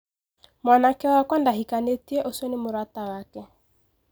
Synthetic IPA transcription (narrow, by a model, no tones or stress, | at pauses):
mwanakɛwakwandaɦikanetieʔosonɪmoɾatawakɛ